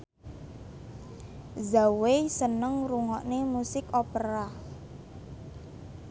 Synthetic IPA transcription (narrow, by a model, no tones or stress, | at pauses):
zawesənəŋruŋɔʔnemusɪkɔpəɾa